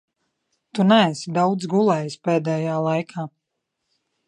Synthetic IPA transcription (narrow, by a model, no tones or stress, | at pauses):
t̪unæːsid̪awd̪zɡulˠɛːjspɛːd̪ɛːjaːlˠajkʰaː